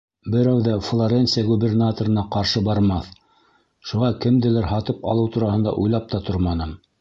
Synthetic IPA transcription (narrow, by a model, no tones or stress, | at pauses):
bɘ̆ɾæwðæflˠoɾʲentsijaɡubʲernat̪oɾɤ̆nɑqɑɾʃɤbɑɾmɑθ | ʃuʁɑkɘ̆md̪ɘ̆læɾɦɑt̪ɤpɑ̰lˠɤwt̪uɾɑhɤ̆nd̪ɑ̰ʔujlˠɑp̚t̪ɑt̪oɾmɑnɤm